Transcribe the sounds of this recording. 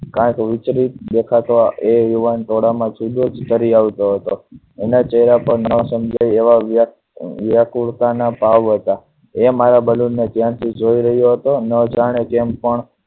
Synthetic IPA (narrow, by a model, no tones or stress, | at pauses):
kãkʋɪt͡ʃɾit̪d̪ekʰat̪ʋaʔejuʋanʈ̪oɽamãt͡ʃʰud̪ʱod͡ʒt̪əɾiaʋt̪oɦət̪o | enat͡ʃəɦɾapəɾnəsəmd͡ʒʱajeʋaʋ | ʋjakuɽk̪anapaʋɦət̪a | emaɾabəlunnet̪jãt̪ʰid͡ʒoiɾəɦjoɦət̪onəd͡ʒaɽ̃ekempəɳ